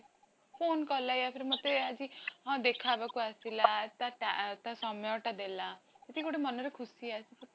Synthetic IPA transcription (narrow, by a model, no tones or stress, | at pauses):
pʰoːnkɔlajapʰiɾmot̪ead͡ʒĩd̪ekʰabakuasilat̪aʈat̪asɔmjɔʈad̪elat̪et̪ikoʈemʌnɔɾekʰusiasipɔ